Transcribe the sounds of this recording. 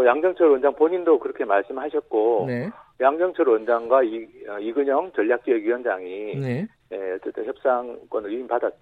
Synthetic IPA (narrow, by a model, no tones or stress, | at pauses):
ʌjaŋd͡ʑʌŋt͡ɕʰʌɾwʌnd͡ʑaŋpoɲindokɯɾʌkʰe̞maɭs͈ɯmɯɭhaɕʰʌt̚k͈onjaŋd͡ʑʌŋt͡ɕʰʌɾwʌnd͡ʑaŋɡwaiʌiɡɯɲʌŋt͡ɕʌʎːak̚t͡ɕ͈ueɡjujʌnd͡ʑaŋi | je̞ʌt͡ɕ͈e̞t͈ʰɯnçjʌp̚s͈aŋk͈wʌnɯɭjuinpadat̚t͡ɕ͈